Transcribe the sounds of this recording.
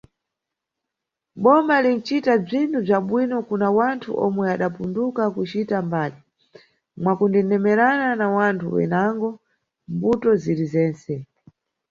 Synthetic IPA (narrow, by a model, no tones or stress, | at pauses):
ɓɔmalin̩t͡ʃitab͡ʐintʰub͡ʐaɓwinɔkunawantʰṵʔɔmwɛaɗapundukakut͡ʃitambaːli | mwakundɛnɛmɛɾananawantʰuwɛ̰naŋɡɔ | mbutɔzilizɛːnt͡sɛ